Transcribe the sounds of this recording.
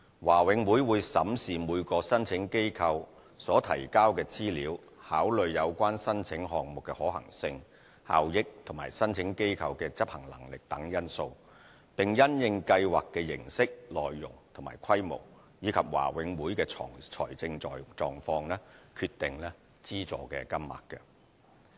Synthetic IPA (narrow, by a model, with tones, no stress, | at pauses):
waː˨˩wɪ˨˥ŋwuː˨˥jwuː˨˧jsɐ˨˥msiː˨muː˨˧jkɔː˧sɐ˥nt͡sʰɪ˨˥ŋke˥jkʰɐ˧w | sɔː˨˥t̪ʰɐ̰˨˩jkaː˥wkɛː˧t͡siː˥liː˨˥w | haː˨˥wlɵ˨ɥjɐ˨˧wkʷaː˥nsɐ˥nt͡sʰɪ˨˥ŋɦɔː˨k̚mʊ˨kːɛ˧hɔː˨˥hɐ̰˨˩ŋsɪ˧ŋ | ha̰ː˨wjɪ˥k̚t̪ʰʊ˨˩maː˨˩jsɐ˥nt͡sʰɪ˨˥ŋke˥jkʰɐ˧wkɛː˧t͡sɐ˥p̚hɐ˨˩ŋlɐ̰˨˩ŋlɪ˨k̚t̪ɐ˨˥ŋjɐ˥nso˧w | pɪ˨˩ŋjɐ˥njɪ˧ŋkɐ˧jwa̰ː˨kːɛː˧jɪ̰˨˩ŋsɪ˥k̚lɔː˨jːʊ̰˨˩ŋt̪ʰʊ˨˩maː˨˩jkʰɐ˥jmo̰˨˩w | jiː˨˧kʰɐ˨p̚wa̰ː˨˩wɪ˨˥ŋwuː˨˥jkɛː˧ɔ̰ː˨˩ŋt͡ʃʰɔ̰ː˨˩jt͡sɪ˧ŋɔː˨jt͡ʃɔː˨ŋfɔː˧ŋlɛː˥kʰyː˧t̪ːɪ˨ŋlɛː˥ | t͡siː˥t͡ʃɔ̰ː˨kɛ̰ː˧kɐ˥mma̰ː˨˩tkːɛ̰˧